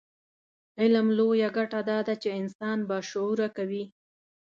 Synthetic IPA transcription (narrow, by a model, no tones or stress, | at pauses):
ɪlamlojaɡaʈad̪ɑd̪at͡ʃeɪnsɑnbɑʃʊuɾakawi